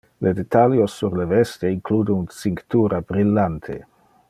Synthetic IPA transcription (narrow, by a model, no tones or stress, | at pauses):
lʔed̪et̪aljosːuɾlevɛst̪eiŋkʰluːd̪ounsiŋkt̪uɾabɾilːant̪ʰḛ